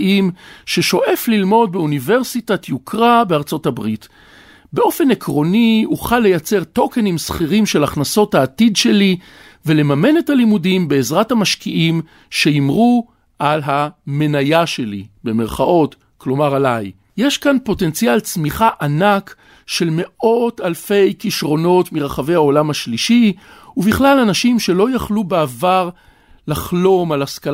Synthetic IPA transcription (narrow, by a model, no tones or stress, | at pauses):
imʃe̞ʃo̞ʔe̞flilmo̞d̚beunive̞ʁsitatʰjukʰʁabeaʁt͡so̞tabʁit | be̞ʔo̞fe̞nekʁo̞niuχalːe̞jat͡seʁto̞ke̞nimsχiʁimʃe̞laχnaso̞thaːtidʃe̞li | ve̞le̞mame̞ne̞thalimudimbe̞ːzʁathamaʃkiʔim | ʃe̞imʁu | ʔalɦame̞najaʃe̞libe̞me̞ʁχaʔo̞t | klo̞maʁalaj | jeʃkanpo̞tent͡sijalt͡smiχaʔanak | ʃe̞lme̞ʔo̞talfe̞jkiʃʁo̞no̞tmiʁaχave̞jhao̞lamhaʃliʃi | uviχlalanaʃimʃe̞lo̞jaχlubeavaʁ | laχlo̞malaskal